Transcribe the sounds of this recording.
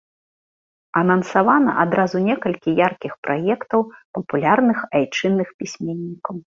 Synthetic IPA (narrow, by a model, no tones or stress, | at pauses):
ɐnɐnsavanɐ̰ʔad̪ɾazunʲɛkɐlʲkʲijarkʲixpɾʔajɛkt̪ɐwpɐpulʲarnɨxajt͡ʂɨnːɨxpʲisʲmʲenʲːikɐw